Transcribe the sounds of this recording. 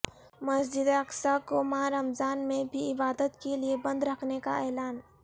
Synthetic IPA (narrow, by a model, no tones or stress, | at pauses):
mɐsd͡ʒɪd̪ɐksakomaaɾɐmzaːnmẽbʱiɪbaːd̪ət̪keliebɐ̃nd̪ɾɐkʰneka̰ɛːlaːn